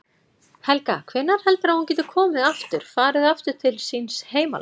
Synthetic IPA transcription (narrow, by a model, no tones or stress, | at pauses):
hɛlka̰kʰvɪnːaɾ̥hɛlt̪ʏɾahuncɛːt̪ɪ̥kʰɔːmɪðaft̪ʏɾ̥faːɾɪðaft̪ʏɾ̥t̪ʰɪlsinsheːjma̰l